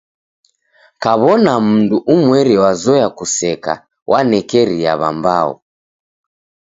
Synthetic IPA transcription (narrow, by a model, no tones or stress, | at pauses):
kaβɔnam̩nduʔumwɛɾiwazɔjakusɛka̰ | wʔanɛkɛɾia̰βa̰mbaɔ̰